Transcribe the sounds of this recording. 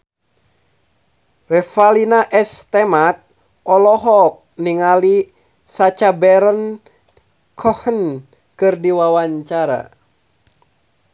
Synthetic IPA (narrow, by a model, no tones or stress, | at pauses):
rɛfalinaʔɛst̪ɛmat̪̚ | ɔlɔɦɔk̚niŋali | sat͡ʃabɛɾən | kʰɔhən | kɨrdiwawaɲt͡ʃaɾa̰